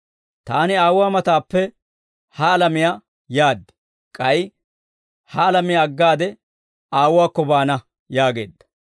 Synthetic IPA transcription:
t̪aːnɪaːwwaːmɐt̪aːpːɛ | hɐːlɐmɪja | jaːd̪ːɪ̥ | kʼɐj | hɐːlɐmɪjaɐɡːaːd̪ɛ | aːwʊwaːkːɔbaːnɐ | jaːɡe̞̰ːd̪ːɐ̥

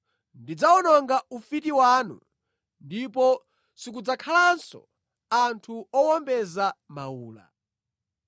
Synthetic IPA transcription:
ndid͡zaɔnɔŋɡaufitiwaːnṵ | ndipɔ | sik̬ud͡zakʰalansɔ̰ | antʰuɔwɔmbɛzamauːla̰

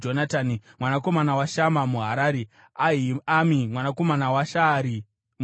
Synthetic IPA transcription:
d͡ʒonataːnimwanako̞manawaʃamamuɦa̰ɾaːɾe | aɦiamimwanako̞manawaʃaɾi | m

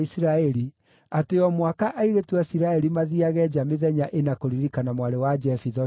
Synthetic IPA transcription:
isiɾaɛɾi | ateɔmwakaʔaiɾetwasiɾaɛɾimaðiaɣɛd͡ʒameðɛɲaʔenakoɾiɾikanamwaɾewad͡ʒɛfiðɔ

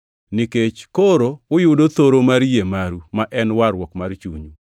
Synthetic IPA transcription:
niket͡ʃkoɾoːjʊdot̪oɾomaɾjemaɾumaʔɛnwaɾwɔkmart͡ʃuɲu

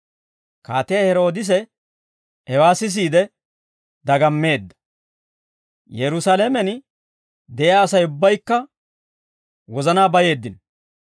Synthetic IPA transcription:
kaːt̪ɛjahɛɾo̞ːd̪ɪs̬ɛ | hɛwaːsɪs̬iːd̪ɛ | d̪ɐɡɐmːe̞ːd̪ːɐ̥ | jɛɾʊsaːlemɛn | d̪ɛʔɪaːsɐjʊbːɐjkːɐ | wɔzɐnaːbɐje̞ːd̪ːɪn

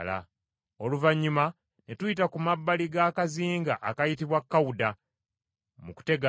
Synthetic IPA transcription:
la̰ | oluvaɲːuma | netujitakumabːaliɡakaziːŋɡaʔakajitiβwakːawuda | muku̥te̞ɡa

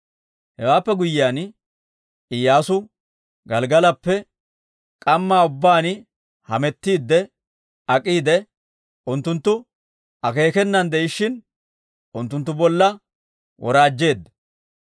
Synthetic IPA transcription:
hɛwaːpːɛɡʊjːaːn | ɪjːaːsʊ | ɡɐlɡɐlɐpːɛ | kʼɐmːaːʊbːaːn | hɐmɛt̪ːiːd̪ːɛ | ɐkʼiːd̪ɛ | ʔʊnt̪ːʊnt̪ːʊ | ɐke̞ːkɛnːɐnd̪ɛʔɪʃːɪn | ʊnt̪ːʊnt̪ːʊbɔlːɐ | wʔɔɾaːd͡ʒːe̞ːd̪ːɐ

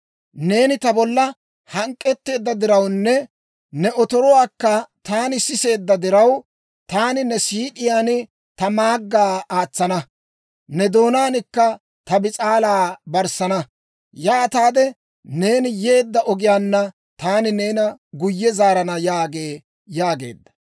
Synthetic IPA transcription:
ne̞ːnɪt̪ɐbɔlːɐ | hɐŋkʼːɛt̪ːe̞ːd̪ːɐd̪ɪɾɐwnːɛ | nɛʔɔt̪ɔɾɔwaːkːɐt̪aːnɪsɪse̞ːd̪ːɐd̪ɪɾɐw | t̪aːnɪnɛsiːᶑɪjaːnɪ | t̪ɐmaːɡːaːaːt͡sːɐnɐ | nɛd̪oːnaːnɪkːɐ | t̪ɐbɪt͡sʼaːlaːbɐɾsɐnɐ | jaːt̪aːd̪ɛ | ne̞ːnɪje̞ːd̪ːɐʔɔɡɪjaːnːɐ | t̪aːnɪne̞ːnɐɡʊjːɛzaːɾɐnɐjaːɡe̞ː | jaːɡe̞̰ːd̪ːɐ̥

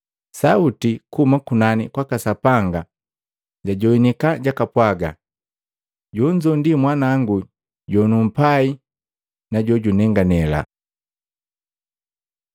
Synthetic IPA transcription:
sautikumakunanḭkwakasapaŋɡa | ɟaɟɔinikaɟakapwaɡa̰ | ɟuɲd͡ʒɔndimwanaŋɡu | ɟɔnum̩pai | naɟɔɟunɛŋɡanɛla̰

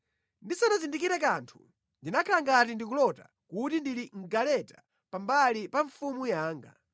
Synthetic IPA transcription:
ndisanazindik̬iɾakantʰu̥ | ndinakʰalaŋɡatindik̬ulɔta̰ | kutindiliŋ̩ɡalɛta | pambalipaɱfumujaːŋɡa̰

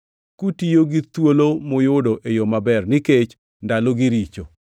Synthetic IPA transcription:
kutijoɡit̪wolomojʊdoʔejomabɛrnɪket͡ʃ | ndaloɡiɾit͡ʃo

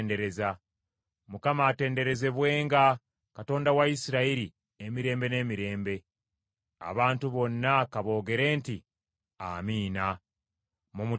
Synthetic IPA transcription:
nde̞ɾe̞za | mukamaːte̞ːnde̞ɾe̞ze̞βwe̞ːŋɡa | kato̞ːndawaisiɾaiɾi | emiɾe̞ːmbe̞ne̞ːmiɾe̞ːmbe̞ | a̰βaːntuβo̞nːakaβo̞ːɡe̞ɾe̞ːnti | a̰miːna | mumu

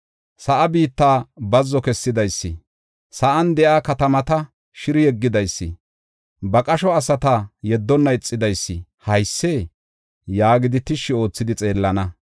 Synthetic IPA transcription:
sɐʔɐbiːt̪ːaːbɐzːɔkɛsːɪd̪ɐjsːɪ̰ | sɐʔɐnd̪ɛʔaːkɐt̪ɐmɐt̪ɐ | ʃɪɾɪjɛɡːɪd̪ɐjsːɪ̰ | bɐkʼɐʃɔɐsɐt̪ɐjɛd̪ːɔnːɐɪt͡sʼːɪd̪ɐjsːɪhɐjsːeː | jaːɡɪd̪ɪt̪ɪʃːɪo̞ːt͡sːɪd̪ɪt͡sʼe̞ːlːɐnɐ

